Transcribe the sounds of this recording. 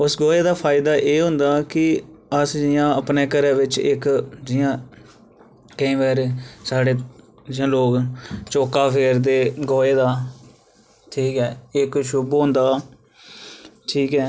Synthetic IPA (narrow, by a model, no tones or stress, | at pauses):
ʊsɡoːeːd̪aːpʰaːɪd̪aːʔeːɦʊ̃nd̪aːkɪəsd͡ʒɪjãːəpneːkəɾɛːʋɪt͡ʃɪ̰kd͡ʒɪjãː | kəĩːʋɛːɾsaːɽeː | d͡ʒɪjãːloːkt͡ʃoːkaːpʰeːɾd̪eːɡoːeːd̪aː | ʈʰiːkɛːɪkʃʊbɦõːnd̪aː | ʈʰiːkɛː